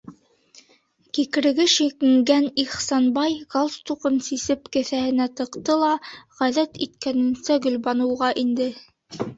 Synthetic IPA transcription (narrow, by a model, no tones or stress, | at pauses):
kikɘ̆ɾɘ̆ɡɘʃikɘ̆ŋɡæniχsɑnbɑjɡɑlˠst̪uqɤnsisɘpkɘ̆θæhɘ̆næt̪ɤ̆qt̪ɤlˠɑʁælæt̪it̪̚kænɘ̆nsæɡɵ̆lβɑnɤ̆wʁɑʔind̪ɘ